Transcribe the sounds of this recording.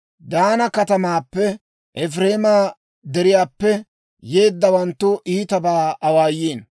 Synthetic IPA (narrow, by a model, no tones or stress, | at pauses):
d̪aːnɐkɐt̪ɐmaːpːɛ | ʔɛfɾeːmaː | d̪ɛɾɪjaːpːɛ | je̞ːd̪ːɐwɐnt̪ːʊʔiːt̪ɐbaːɐwaːjːeːn